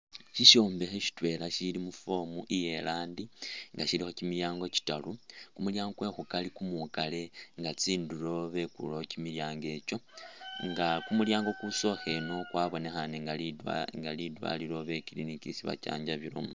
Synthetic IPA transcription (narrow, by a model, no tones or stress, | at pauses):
ʃiʃoːmbe̞xeʃi̥twe̞laʃilimufo̞muʔije̞laːndiŋɡaʃilixo̞cimiljaːŋɡo̞ci̥talukumuljaːŋɡwe̞xukalikumukale̞ŋɡat͡siːnduɾo̞βe̞kṵlo̞cimiljaːŋɡe̞t͡ʃo̞ŋɡakumuljaːŋɡo̞kuso̞xe̞no̞kwaβo̞ne̞xaneŋɡaŋɡalidwa̰liɾo̞βe̞kilinikisiβa̰t͡ʃa̰ːɲɟaβiɾo̰mo